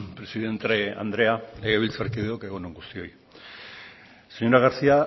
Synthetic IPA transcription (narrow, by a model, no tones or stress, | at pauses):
pɾe̞siðe̞nt̪ea̰nd̪ɾe̞aleɣeβilt͡saɾkiðeokeɣ̞onoŋɡust̪io̞j | seɲo̞ɾaɣ̞aɾsia